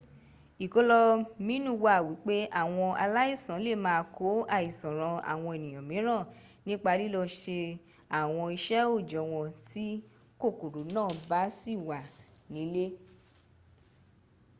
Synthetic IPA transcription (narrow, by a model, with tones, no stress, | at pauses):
i˨ko˦lɔ˧mĩ˦nũ˦˨wa˨wi˨˦k͡pe˦ʔa˦˨w̃ɔ̃˧a̰˧la˦i˦˨sã˨˦le˦˨mãː˦˧kʰo˨˦a˦˨i˨sɔ̃˨ɾ̃ɔ̃˧a̰˨w̃ɔ̃˧e˨nĩ˨j̃ɔ̃˨mĩ˨˦ɾ̃ã˦˨ | nĩ˦k͡pa˧li˦lɔ˧ʃe˧ | a˦˨w̃ɔ̃˧i˧ʃɛ˦o˦˨d͡ʒɔ˨˦w̃ɔ̃˧ti˦ | ko˦˨ko˨ɾu˨˦nãː˦˨ba˨˦si˦˨wa˨nĩ˨˦le˦